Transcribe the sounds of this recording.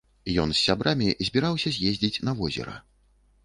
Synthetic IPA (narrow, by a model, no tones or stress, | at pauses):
jɔnsʲːabɾʔamʲizʲbʲiɾawsʲɐzʲjezʲd͡zʲit͡sʲnɐvɔzʲɛ̰ɾɐ̰